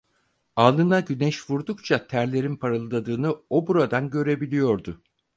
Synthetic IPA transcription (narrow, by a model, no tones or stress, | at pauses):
alˠɯnaɟynɛʃvuɾd̪ukt͡ʃʰat̪ʰæɾlʲe̞ɾinpʰaɾɯlˠd̪ad̪ɯːnɯo̞buɾad̪anɟø̞ɾe̞bilʲijo̞ɾd̪ʊ